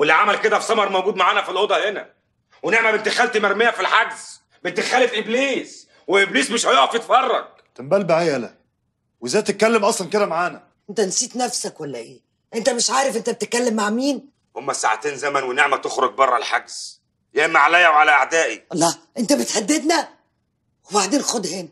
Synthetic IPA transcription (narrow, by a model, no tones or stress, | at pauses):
welːiʕamælked̪æfsˤɑmɑɾˤmæwɡuːd̪maʕaːnæfilʔod̪ˤɑhenæ | weneʕmæbent̪exæːlt̪imæɾmejæfilħaɡz̥ | bent̪exæːlefʔebliːs | weʔebliːsmeʃhæjoʕɑfjet̪fɑrˤːɑ̰ɡ̥̚ | t̪embælbæʕejʔælæ̰ | wezæːjt̪et̪̚kːælːemʔɑsˤlɑnked̪æmaʕaːnæ | ʔent̪ænsiːt̪næfsækwælːæʔeː | ʔent̪æmeʃʕaːɾefʔent̪æbet̪ekːælːemːaʕmiːn | homːæsa̰ʕt̪eːnzæmænweneʕmæt̪oxɾoɡ̚bɑrˤːɑ̰lħaɡz̥ | jemaʕalæjːæwʕalæʔaʕd̪æːʔilˤːɑːʔent̪æbet̪ħad̪ːed̪næ | webaʕd̪eːnxod̪heːn